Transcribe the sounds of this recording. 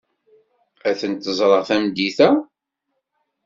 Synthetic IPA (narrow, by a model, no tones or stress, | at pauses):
æθənt̪ːəzˤɾˤəʁθæmd̪iθæ